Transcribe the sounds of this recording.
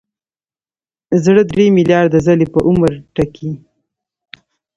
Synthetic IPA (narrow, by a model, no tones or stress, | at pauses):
zɽəd̪ɾemiljɑɾd̪azalepəʔʊməɾʈakʰi